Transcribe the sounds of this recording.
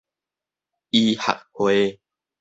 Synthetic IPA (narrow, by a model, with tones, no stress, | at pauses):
ʔi˧ha̰˨k̚hwe˦